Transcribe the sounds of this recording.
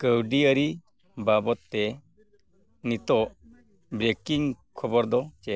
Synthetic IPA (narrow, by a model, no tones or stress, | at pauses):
kəwɖiəɾi | babɔt̪ːe | nit̪ɔʔ | bɾekiŋ | kʰɔbɔɾd̪ɔt͡ʃɛ